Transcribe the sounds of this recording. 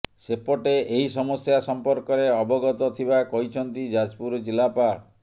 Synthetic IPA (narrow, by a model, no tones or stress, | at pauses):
sepɔʈeʔeɦisɔmɔsjasɔmpɔɾkɔɾeɔbɔɡɔt̪ɔt̪ʰibakɔjt͡ʃʰɔnt̪id͡ʒad͡ʒpuɾd͡ʒilapa